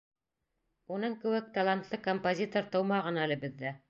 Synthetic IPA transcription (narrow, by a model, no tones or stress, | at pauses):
unɤŋkɘ̆wɘk̚t̪alˠant̪lˠɤkompozʲit̪oɾt̪ɤ̆wmɑʁɤ̆nɑælɘbɘ̆ðːæ